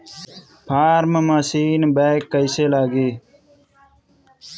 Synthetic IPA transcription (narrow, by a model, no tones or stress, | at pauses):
pʰaːɾməmaːsiːnbeːkːəɪseːlaːɡiː